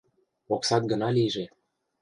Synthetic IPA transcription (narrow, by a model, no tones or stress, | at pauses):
oksɑt̪̚ɡə̆nɑlijʒe